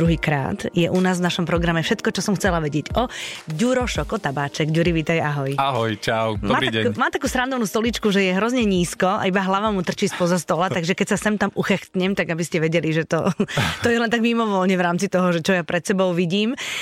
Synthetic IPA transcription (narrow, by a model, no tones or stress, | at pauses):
d̪ɾuɦiːkɾa̰ːt̪jɛʔunaːzʋnaʃɔmpɾɔɡɾamɛfʃɛt̪kɔt͡ʃɔsɔmxt͡sɛlaʋɛɟɪɛɟɔɟuɾɔʃɔkɔt̪abaːt͡ʃɛɡɟuɾiʋit̪ajaɦɔjaɦɔjt͡ʃawmaːaɛkumaːt̪akuːst̪ɾand̪ɔʊnuːst̪ɔlit͡ʃkuʒɛjɛɦɾɔzɲɛɲiːskɔa̰ibaɦlaʋamut̪r̩t͡ʃiːspɔzast̪ɔlat̪aɡʒɛkɛcsasɛmt̪amuxɛxt̪ɲɛmt̪aɡabiscɛʋɛɟɛliʒɛt̪ɔt̪ɔjɛlɛnt̪aɡmimɔʋɔlɲɛʋɾaːmt͡sit̪ɔɦɔʒɛt͡ʃɔjapɾɛt̪sɛbɔʊʋiɟiːm